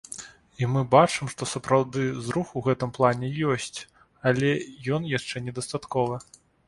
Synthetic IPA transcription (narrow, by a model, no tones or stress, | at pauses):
imɨbat͡ʂɨmʂt̪ɔsɐpɾawd̪ɨzɾuxuɣɛt̪ɨmplˠanʲɛjɔsʲt͡sʲ | ɐlʲɛjɔnjaʂt͡ʂɛnʲɛd̪ɐst̪at̪kɔvɨ